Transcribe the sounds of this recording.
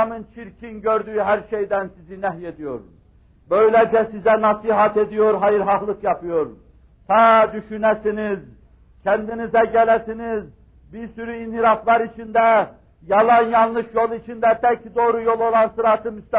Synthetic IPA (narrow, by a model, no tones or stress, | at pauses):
mɯnt͡ʃʰiɾcʰinɟøɾd̪yjyɦæɾʃejd̪ænsizinæɦjed̪ijo̞ɾ | bø̞jlɛd͡ʒɛsizɛnɑsiɦɑt̪ed̪ijoɾɦɑjɯɾɦɑhlˠɯkjɑpʰɯjoɾ | t̪ʰɑd̪yʃynæsiniz | cʰænd̪inizɛɟælæsiniz | biɾsyɾyinhiɾɑflˠɑɾit͡ʃʰind̪æ | jɑlˠɑnjɑnlˠɯʃjo̞lˠit͡ʃʰind̪æt̪ʰæcʰd̪o̞ːɾujo̞lˠo̞lˠɑnsɯɾɑt̪ʰɯmyst̪æ